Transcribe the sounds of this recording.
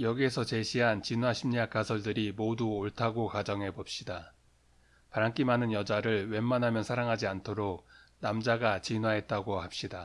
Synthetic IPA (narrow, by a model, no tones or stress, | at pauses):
jʌɡie̞sʰʌt͡ɕe̞ɕʰiɦant͡ɕinɦwaɕʰimɲak͈asʰʌɭdɯɾimoduoɭtʰaɡokad͡ʑʌŋɦe̞bop̚ɕ͈ida | paɾaŋk͈imanɯnjʌd͡ʑaɾɯɭwe̞mːanɦamjʌnsʰaɾaŋɦad͡ʑiantʰoɾok̚namd͡ʑaɡat͡ɕinwaɦe̞t̚t͈aɡohap̚ɕ͈ida